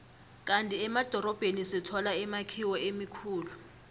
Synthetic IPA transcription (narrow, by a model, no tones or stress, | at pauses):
k̬ʼantʼiɛmad̥ʱɔɾɔb̥ʱenisɛtʰɔlaɛmakʰiwɔemikʰuːlu